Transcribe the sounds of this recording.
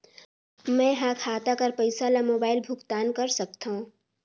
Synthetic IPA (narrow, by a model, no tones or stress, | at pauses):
mɛ̃ɦãːkʰaːt̪akəɾpəɪsalamoːbaːɪlbʱʊkt̪aːnkɐɾsɐk̚t̪aɦũ